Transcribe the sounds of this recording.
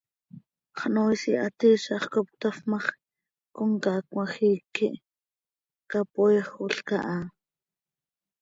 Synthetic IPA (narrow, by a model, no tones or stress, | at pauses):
χnojsiʔat̪iʃɑχkop̚t̪afmɑχ | kʊŋkakwaxiːkiʔ | kapoχuɬka̰ʔa